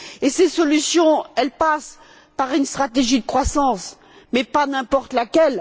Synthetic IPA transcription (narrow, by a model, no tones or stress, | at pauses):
esesɔlysjɔ̃ɛlpas | paʁynst̪χat̪eʒid̪əkχwasɑ̃s | mɛpanɛ̃pɔʁt̪lakʲɛl